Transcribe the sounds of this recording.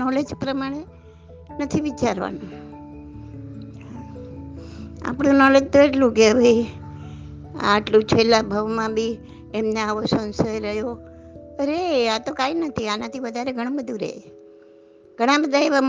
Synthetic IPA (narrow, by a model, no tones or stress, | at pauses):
ɔled͡ʒpɾəmaɽ̃e | nət̪ʰiʋit͡ʃaɾʋa̰nũ | ɦa | a̰pɽ̃ũnɔled͡ʒt̪oeʈlũkeəbʱəi | a̰ːʈlũt͡ʃʰelːabʱəʋmãbʱi | emneaʋosə̃nsəjɾəɦjo | ɾeat̪okainət̪ʰianat̪ʰiʋəd̪ʱaɾeɡʱəɽ̃õbəd̪ʱũɾḛɦe | ɡ̥ʱəɽ̃ãbəd̪ʱaeʋam